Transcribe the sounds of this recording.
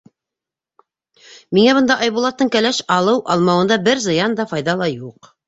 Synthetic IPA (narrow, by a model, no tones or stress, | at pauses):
miŋæβɤ̆nd̪ɑʔɑjβulˠɑt̪ːɤɴkælæʃɑlˠɤwʔɑ̰lˠmɑwɤ̆nd̪ɑbɘɾzɤ̆jɑnd̪ɑfɑjðɑlˠɑjuq